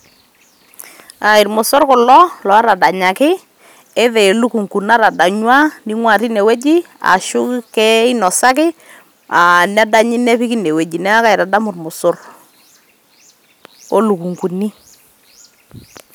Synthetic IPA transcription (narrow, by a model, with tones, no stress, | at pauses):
a˨ɪ˨ɾmʊ˨sʊ˦rkʊ˨lɔ˦lɔ˨a˦ɾa˨da˨ɲa˨kɪ˦ | ɪ˦ðɛ˨lu˦ku˨ŋku˨na˦ɾa˨da˨ɲwa˦ni˦ŋwa˦˨ti˦nɛ˨we˦d͡ʒi˦ | a̰˨ʃʊ˦kkɛ˦ɪ˦nɔ˨sa˦k̬ɪ˦ | a˨nɛ˦da˦ɲɪ˦nɛ˦pi˦ki˦ne˨we˨d͡ʒi˨nɛ˦a˦ka˦ɪ˨ɾa˨da˦mʊ˨rmʊ˨sʊ˦r | o˦lu˨ku˨ŋku˨ni˦